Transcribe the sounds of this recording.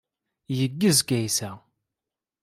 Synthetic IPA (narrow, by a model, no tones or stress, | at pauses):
jəɡːəzɡæjsæ